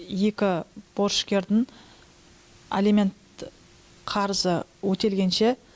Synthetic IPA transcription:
je̞kʲɪb̥o̞ɾʃkʲe̞ɾd̪ɪŋ | elimʲe̞nt̪ | qʰɑɾəzəwɵt̪e̞lɡʲe̞nʃe̞

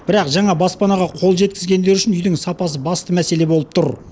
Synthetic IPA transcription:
b̥ɪɾɑqʒɑɴɑbɑspɑnɑʁɑqʰo̞lˠʒe̞t̪̚kʲɪzɡʲe̞nd̪e̞ɾʏʃɪnʏjd̪ɪŋsɑpɑs̬əbɑst̪əmæse̞le̞bo̞lˠəp̚t̪ʰʊɾ

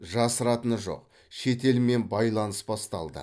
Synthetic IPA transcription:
ʒɑsəɾɑt̪ənʒo̞̰q | ʃe̞t̪e̞lme̞nbɑjlˠɑnəsbɑst̪ɑlˠd̪ə̰

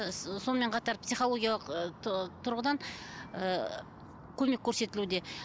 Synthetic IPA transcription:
sonəme̞ɴqʰɑt̪ɑɾpsijχo̞lˠo̞ɡʲijaɑlˠəqt̪ʰʊɾʁəd̪ɑnə | kʲʰɵme̞kʲʰːɵɾse̞t̪ɪlud̪e̞

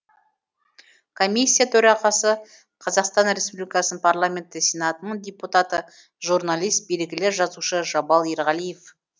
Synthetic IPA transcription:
kʰo̞mʲisʲːijat̪ʰɵɾɑʁɑsə | qʰɑzɑqst̪ɑnɾe̞spublʲijkɑsnənpʰarlˠamʲe̞nt̪ːɪsʲenat̪ənəɴd̪ʲeput̪at̪ə | ʒuɾnalʲˠijst̪̚beɾɪɡʲɪlɪʒɑzuʃəʒɑbɑlˠe̞ɾʁɑlijef

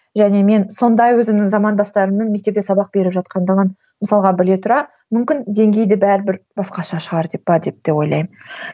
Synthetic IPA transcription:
ʒæne̞me̞nso̞nd̪ɑjwɵzɪmnɪŋzɑmɑnd̪ɑst̪ɑɾəmnɪnme̞k̚t̪e̞pt̪ʲe̞sɑbɑq̚be̞ɾɪpʒɑt̪̚qɑnd̪əʁən | məsɑlˠʁɑbɪle̞t̪ʰʊɾɑ | mʏmkʲɪnd̪e̞ŋɡʲe̞jd̪ɪbæɾbɪɾbɑsqɑʃɑʃəʁɑɾd̪e̞p̚bɑd̪e̞p̚d̪̥e̞po̞jlˠɑ̰jm

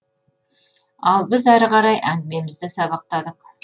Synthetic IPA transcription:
ɑlˠbɪzæɾʁɑɾɑjʔæŋɡʲɪme̞mɪzd̪ɪsɑbɑq̚t̪ɑd̪əq

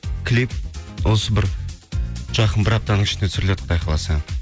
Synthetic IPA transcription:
kʲʰlip̚wosəbɪɾ | ʒ̥ɑqənbɪɾɑp̚t̪ɑnəɴɪ̥ʃɪnesʏɾɪlet̪ə̥q̚b̪ɑjqʰɑlˠɑsɑ

